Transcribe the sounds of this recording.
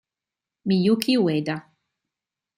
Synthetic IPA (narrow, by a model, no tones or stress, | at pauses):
mijukiwed̪a